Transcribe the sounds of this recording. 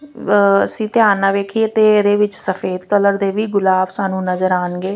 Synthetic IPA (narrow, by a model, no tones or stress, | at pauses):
ə̰sĩːt̪ɪjaːnãːʋeːkʰit̪eːd̪eːʋɪt͡ʃsəfʰeːd̪kələɾd̪eːʋiːɡʊlaːbsaːnũːnəzəɾaːnɡeː